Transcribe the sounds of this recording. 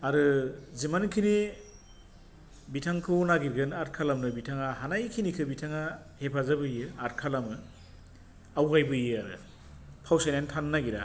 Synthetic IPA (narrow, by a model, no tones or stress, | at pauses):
aɾɯzimankʰini | bitʰaŋkʰɯwnaɡiɾɡɯnat̚kʰalamnɯbitʰaŋaɦanajkʰinikʰɯbitʰaŋa | hepʰazabɯjɯat̚kʰalamɯ | awɡajbɯjɯaɾɯ̰ | pʰawsajnantʰanːaɡiɾa̰